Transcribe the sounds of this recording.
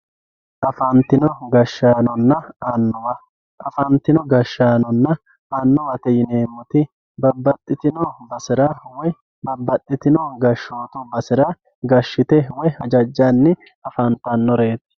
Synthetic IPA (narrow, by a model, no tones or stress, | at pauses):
ʔɐfɐnt̪ːɪnɔɡɐʃːaːnɔnːɐɐnːɔwɐ | ʔɐfɐnt̪ːɪnɔɡɐʃːaːnɔnːɐ | ɐnːɔwɐt̪ɛjɪneːmːɔt̪ɪ | bɐbːɐt̪ʼːɪt̪ɪnɔbɐsɪɾɐwɔ | bɐbːɐt̪ʼːɪt̪ɪnɔɡɐʃːo̞ːt̪ʊbɐsɪɾɐ | ɡɐʃːɪt̪ɛwɔjhɐd͡ʒɐd͡ʒːanːɪ | ɐfɐnt̪ɐnːɔɾe̞ːt̪ːɪ̥